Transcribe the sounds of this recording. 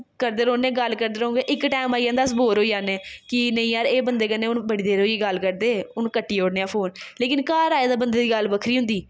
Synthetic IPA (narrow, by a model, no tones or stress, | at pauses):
kəɾd̪eːɾoːneːɡəlkəɾd̪eːɾooːŋɡeːʔɪkʈaːmaːijãːnd̪aːsboːɾɦoːijaːneːkɪnəĩːaːɾeːbənd̪eːkənːeːʊnbəɽiːd̪eːɾoːiːɡəlkəɾd̪eːʊnkəʈːiːoːɽneːãːpʰoːnleːkɪnkaːɾaːjed̪aːbənd̪eːd̪iːɡəlbəkʰɾiːɦʊ̃nd̪iː